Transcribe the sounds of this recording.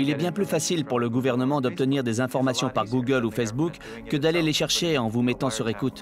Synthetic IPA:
ilɛbjɛ̃plyfasilpuʁləɡuvɛʁnəmɑ̃d̪ɔp̚t̪əniʁd̪ezɛ̃fɔʁmasjɔ̃paʁɡuɡəlufes̬bukː | əd̪aleleʃɛʁʃeɑ̃vumɛt̪ɑ̃syʁekut̪

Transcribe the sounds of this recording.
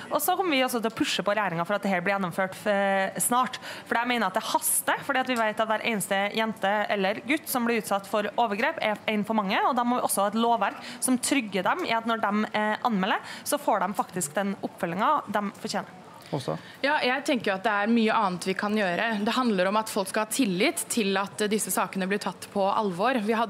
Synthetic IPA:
ʔɔsɔkʰɔmːəʋɪɔsːɔt̪ʰɪlɔpʰʉʂːəpɔɾɛjæːɾɪŋɑfɔɾɑt̪̚d̪ɛɦɛːlb̪ɪɾjɛnːɔmføːʈsnɑːʈfɔɖiæɪmeɪnəɾɑt̪̚d̪ɛhɑst̪əfɔɖiːɑt̪ʋɪʋeɪt̪ɑt̪ʋæːɾʔḛɪnəst̪əjɛnt̪əɛlːəɾɡʉt̪ːsɔmblɪɾʉːt̪sɑt̪ːfɔɾoːʋəɾɡɾeːpɛɾæɪnfɔɾmɑŋːəɔd̪ɑmɔʋɪʔɔsːɔhɑːɛt̪loːʋæɾksɔmt̪ʰɾʏɡːəɖɛmɪ̰ɑt̪nɔɖɛmʔɑnmɛlːəɾsɔfoːɖɛmfɑkt̪ɪsk̚d̪ɛnʔʊpːfœlːɪŋɑd̪ɛmfɔɾçjeːnə̰ | jɑːjæɪt̪ʰɛŋkəɾjʊɑt̪̚d̪ɛæɾmyːəʔɑːnt̪ʰʋɪkʰɑnjøːɾəd̪ɛɦɑnd̪ləɾɔmɑt̪fɔlkskɑlhɑːt̪ʰɪlːɪt̪ʰːɪlɑt̪d̪ɪsːəsɑːkənəblɪʈʰɑt̪ːpʰɔʔɑ̰lʋɔɾʋɪɦɑ

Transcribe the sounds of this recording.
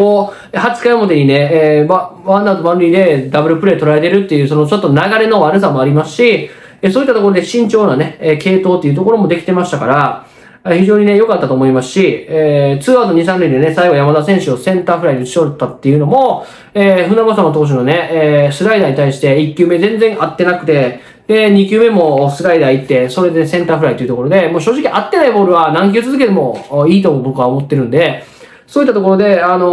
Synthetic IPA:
koː | ehat͡sɨ̥kaimo̞t̪e̞ɲ̟inemaβãnd̪at̪obãnɾʲiːd̪e̞d̪abɯɾɯ̟pɯ̟ɾe̞ːt̪o̞ɾae̞t̪e̞ɾɯ̟t̪ːe̞jɯ̟ːso̞no̞t͡ɕo̞t̪ːo̞naɡaɾe̞no̞βaɾɯ̟s̬amo̞aɾʲimasɨ̥ɕi | esoːit̪ːat̪okoɾo̞d̪e̞ɕĩɲ̟t͡ɕo̞ːnaneːke̞ːt̪o̞ːt̪ːeiɯ̟t̪o̞ko̞ɾo̞mo̞d̪ekʲi̥t̪e̞maɕi̥t̪akaɾa | eçiʑo̞ːɲ̟ine̞jo̞kat̪ːat̪o̞ːmo̞imasɨ̥ɕieːt͡sɨːad̪oɲ̟is̬ãnɾɯid̪e̞ne̞saiɡo̞jamad̪asẽ̞ɰ̃ɕio̞sẽ̞nt̪aːɸɯɾaid̪eɕi̥ot̪ːat̪ːe̞jɯ̟no̞mo̞ | eːɸɯ̟namasam̃ot̪̬o̞ːɕ̬inone̞ːsɨɾaid̪aɲ̟it̪aiɕi̥t̪e̞ikʲːɨːme̞zẽ̞nd͡zẽ̞ɰ̃ʔat̪ːe̞nakɯ̟̥t̪e̞ | d̪̥e̞ɲ̟ikʲɨːme̞mo̞sɨɾaid̪ait̪ːe̞so̞ɾe̞d̪e̞nsẽ̞nt̪aːɸɯ̟ɾait̪ojɯ̟t̪oko̞ɾo̞d̪e̞mo̞ːɕoːʑikʲiʔat̪ːe̞naibo̞ːɾɯ̟βanãŋk̬ʲiot͡sɨzɨk̬e̞d̪e̞mo̞iːt̪omobo̞kɯ̟βaomo̞t̪ːe̞ɾɯ̟̃nd̪e̞ | so̞ːit̪ːat̪oko̞ɾo̞d̪e̞ano̞

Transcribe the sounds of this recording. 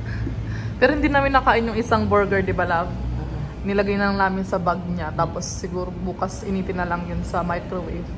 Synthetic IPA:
pɛːɾohɪnd̪inaːmɪnːɐkaːʔɪnjʊŋʔɪsaŋbɛɹɡɛɹd̪ɪbalav | nɪlɐɡajnɐlɐŋnaːmɪnsɐbɐɡ̚ɲat̪aːpo̞sːɪɡuːɾobuːkɐsʔɪniːt̪ɪnːɐlɐŋjʊnsɐmajkɾowejf

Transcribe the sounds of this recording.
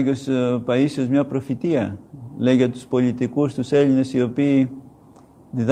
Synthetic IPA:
ʝospɐisozmɲɐpɾo̞fit̪iɐleʝɐt̪u̥spo̞lit̪ikust̪use̞ʎine̞sio̞piː | ðið

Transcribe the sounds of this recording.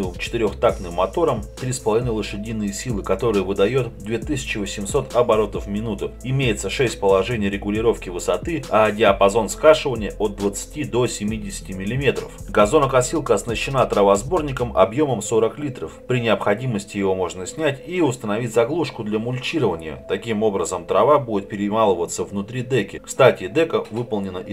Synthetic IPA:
t͡ɕɪ̥t̪ɪɾʲo̞xt̪aknɨmːɐt̪o̞ɾəmt̪ɾʲispəlˠɐvʲinəlˠɨʂɨdʲinːɨjəsʲilˠɨkɐt̪o̞ɾɨjəvɨd̪ɐjo̞t̪d̪vʲe̞t̪ɨsʲɪ̥t͡ɕɪvəsʲɪmso̞t̪ɐbɐɾo̞t̪əfmʲɪnut̪ʊɪmʲejɪt̪səʂɛsʲt̚ʲpəlˠɐʐɛnʲɪjəɾʲɪɡʊlʲɪɾo̞fkʲɪvɨsɐt̪ɨɐdʲɪɐpɐzo̞nskaʂɨvənʲɪjəʔot̪̚d̪vət̪sɨ̥tʲid̪o̞sʲɪmʲidʲɪsʲɪ̥tʲɪmʲɪlʲɪmʲe̞t̪ɾə̰fɡɐzo̞nəkɐsʲilˠkəɐsnəɕːɪnat̪ɾɐvazbo̞rnʲɪkəmʔɐ̰bjo̞məmso̞ɾəklʲit̪ɾəfpɾʲɪnʲɪəpxɐdʲiməsʲtʲɪjɪvo̞mo̞ʐnəsʲnʲætʲiʊst̪ənɐvʲitʲzɐɡlˠuʂkʊd̪lʲɐmʊlʲt͡ɕiɾəvənʲɪ̰jə̰t̪ɐkʲimo̞bɾəzəmt̪ɾɐvabudʲɪt̪̚pʲɪɾʲɪmalˠəvət̪səvnʊt̪ɾʲid̪ɛkʲɪkst̪atʲɪd̪ɛkəvɨpəlˠnʲɪnəʔ

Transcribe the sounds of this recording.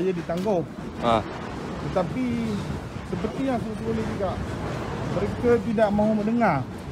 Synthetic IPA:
jadit̪aŋɡɔh | a̰ | t̪ət̪api | t̪əp̬ət̪ias̬uut̪uoloɡikaʔ | məɾekat̪̬idaʔmãɦuməʔdəŋar

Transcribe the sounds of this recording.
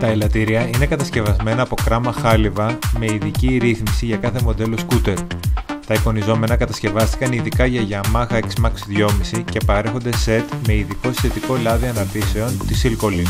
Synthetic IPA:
t̪ɐelɐt̪iɾiɐine̞kɐt̪ɐsce̞vɐzme̞nɐːpo̞kɾɐmɐxɐlivɐme̞iðiciɾiθmisiʝɐkɐθe̞mo̞d̪e̞loskut̪e̞ɾt̪ɐipo̞nizo̞me̞nɐkɐt̪ɐsce̞vɐst̪i̥kɐniðikɐʝɐʝɐmɐɣɐeksmɐksðʝo̞misice̞pɐɾe̞xo̞nd̪e̞se̞t̪me̞iðiko̞si̥θe̞t̪iko̞lɐðiɐnɐɾt̪ise̞o̞nt̪isilko̞li

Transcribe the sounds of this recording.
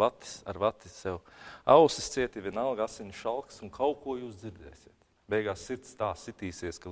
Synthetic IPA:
at̪i̥sa̰ɾvat̪isɛwa̰wsist̪siɛt̪iʋʲiɛnalˠɡasiɲʲʃalˠksunkʰawkuɔjuːsd̪ziɾd̪ɛ̰ːsʲiɛt̪ | bɛjɡaːsːiɾt̪st̪aːsːit̪iːsiɛska

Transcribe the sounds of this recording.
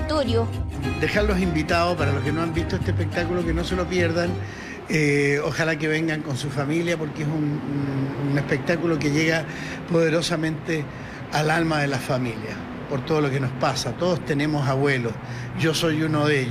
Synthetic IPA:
t̪oɾjod̪exanlːo̞simbit̪aðospaɾalo̞hkenoambist̪oet̪ehpek̚t̪akulo̞keno̞se̞lo̞pjeɾðan | eoxalakeβe̞ŋɡaŋkonsufamiljapo̞ɾkeesun | unespek̚t̪akulo̞k̬eʝe̞ɣa | poðe̞ɾo̞samẽ̞nt̪e | alalmaðelafamilja | po̞ɾt̪o̞ð̞olo̞keno̞spasat̪o̞ðost̪ene̞mo̞saβwe̞los | ʝo̞so̞junoðe

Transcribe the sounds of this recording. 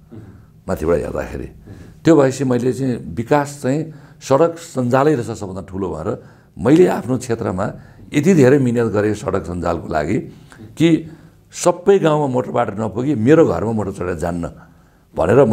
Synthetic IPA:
mat̪ʰjibeɽa̰ɦḛrd̪a̰kʰḛɾḭt̪jobʱʌjsimʌjlet͡saĩbikast͡saĩsʌɽʌksʌnd͡zalʌjɾʌsasʌbʱʌnd̪aʈʰulobʱʌ̰nḛɾʌ | mʌjlea̰pʰnot͡sʰet̪rʌ̰maet̪̬id̪ʱeɾʌjminjʌt̪ɡʌɾesʌ̰ɽʌksʌnd͡za̰lkola̰ɡiki | sʌbːʌjɡãw̃mamoʈʌrbaʈʌnʌpuɡimeɾoɡʱʌ̰rmamoʈʌrt͡sʌɽjad͡za̰nːʌ̰ | bʱʌ̰neɾʌ

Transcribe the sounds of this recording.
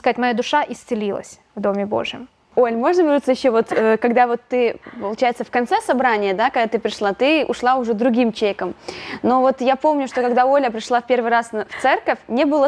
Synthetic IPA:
skɐzatʲmɐjad̪ʊʂaʔɪsʲt̪sɨlʲilˠə̰sʲ | vd̪o̞mʲɪbo̰ʐɨjɪm | olʲmo̞ʐnəbʲɪɾut̪səjɪɕːovo̞t̪əkɐɡd̪avo̞t̪ːɨpəlˠʊt͡ɕæjɪt̪səfkɐnt̪sɛsɐbɾanʲɪjəd̪akɐɡd̪at̪ɨpɾʲɪʂlˠat̪ɨʔʊʂlˠaʊʐɛd̪ɾʊɡʲimt͡ɕejkəmno̞vo̞t̪japo̞mnʲʊʂt̪o̞kɐɡd̪aolʲəpɾʲɪʂlˠafpʲe̞rvɨjɾasnft̪sɛrkəfʲnʲebɨlˠə

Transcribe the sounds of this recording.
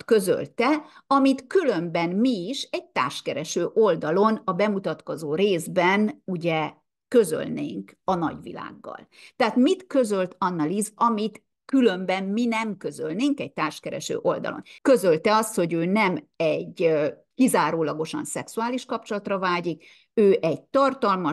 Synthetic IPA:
kø̞zø̰lt̪ɛɒmit̪kylø̞mbɛnmiːʃɛɟ̚t̪a̰ːrʃkɛɾɛʃøːʔo̞ld̪ɒlo̞nɒbɛmut̪ɒt̪ko̞zoːɾeːzbɛnuɟɛ | kø̞zø̰lnḛːŋkɒnɒ̰ɟʋḭla̰ːɡːɒ̰lt̪ɛɦaːt̪mit̪kø̞zø̞lt̪ɒnːɒlizɒmit̪ | kylø̞mbɛmminɛmkø̞zølneːŋkɛɟ̚t̪aːrʃkɛɾɛ̰ʃø̰ːʔo̞ld̪ɒ̰lo̞̰nkø̞zølt̪ɛɒst̪ho̞ɟøːnɛm | ɛɟː | kizaːɾoːlɒɡo̞ʃɒ̰nsɛksuaːliʃkɒpt͡ʃo̞lɒt̪rɒvaːɟik | øːʔɛɟt̪ɒrt̪ɒlmɒ

